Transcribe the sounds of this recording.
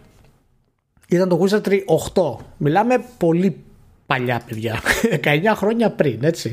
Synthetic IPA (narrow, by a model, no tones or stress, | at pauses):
it̪ɐnt̪oɣusɐt̪ɾiʔoxt̪o̞milɐme̞po̞li | pɐʎɐpe̞ðʝɐðe̞kɐe̞ɲɐxɾo̞ɲɐpɾine̞t͡ssi